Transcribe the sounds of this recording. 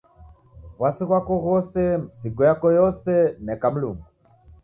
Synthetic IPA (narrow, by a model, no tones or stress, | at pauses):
βwasiɣwakɔɣɔsɛm̩siɡɔjakɔjɔsɛnɛkam̩lumu